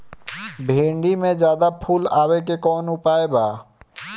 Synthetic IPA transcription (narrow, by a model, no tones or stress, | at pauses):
bʱẽːɳɖimẽd͡ʒjaːd̪apʰuːlaːwek̬ekɔːnʊpaːebaː